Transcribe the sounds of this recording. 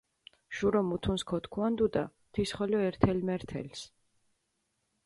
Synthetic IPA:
ʃuɾɔmut̪ʰunskʰɔt̪ʰkʰuand̪ud̪a̰ | t̪ʰisχɔlɔɛɾt̪ʰɛlmɛɾt̪ʰɛ̰ls

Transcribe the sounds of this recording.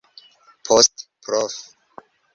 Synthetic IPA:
pʰɔstpʰɾɔf

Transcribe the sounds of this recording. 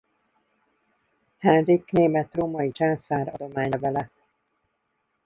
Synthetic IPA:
hɛnrikneːmɛt̪roːmɒjit͡ʃansaːɾɒd̪o̞maːɲɒvɛlɛ

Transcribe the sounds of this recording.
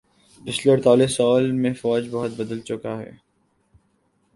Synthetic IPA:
bɪsləɾt̪aːlesɔːlmẽfɔːd͡ʒbɔɦʊt̪̚bɐd̪əlt͡ʃʊkaɦɛ̰ː

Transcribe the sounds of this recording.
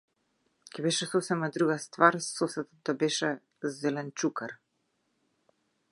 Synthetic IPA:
cɛbɛʃɛsɔsɛmad̪ɾuɣast̪vaɾsɔsɛt̪ɔt̪̚d̪abɛʃɛ | zɛlɛnt͡ʃukaɾ

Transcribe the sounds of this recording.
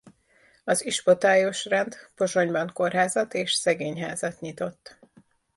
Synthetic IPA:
ɒziʃpo̞t̪aːjo̞ʃrɛnd̪po̞ʒo̞ɲbɒŋko̞rɦaːzɒt̪eːʃsɛɡeːɲɦaːzɒt̪ɲit̪o̞t̪ː

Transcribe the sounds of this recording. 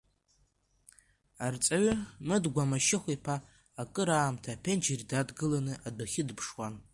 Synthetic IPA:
art͡sʼaɥɪmɨdɡʷamaʃɪχʷipʰaː | kʼɨɾaːmtʰaːpʰend͡ʒeridadɡɨlanɨʔadaχʲɪdpʰʂwan

